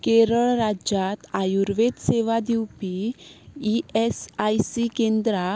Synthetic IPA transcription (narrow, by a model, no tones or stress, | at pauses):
keɾəɭɾad͡ʑat̪ajuɾʋed̪seʋad̪iwpiː | esajsikend̪ɾa